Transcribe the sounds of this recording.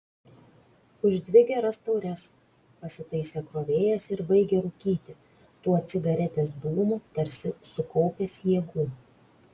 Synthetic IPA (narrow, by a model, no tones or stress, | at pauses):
ʊʒʲd̪ʲʋʲɪɡʲɛɾɐst̪ɒʊɾʲɛs | pɐsʲɪt̪ɐɪsʲeːkɾoːʋʲeːjɛsɪɾbɐɪɡʲeɾʊkʲiːt̪ʲɪ | t̪uːɔɐt̪sʲɪɡɐɾʲɛt̪ʲeːsd̪uːmut̪ɐɾʲsʲɪsʊkɒʊpʲeːsjiɛɡuː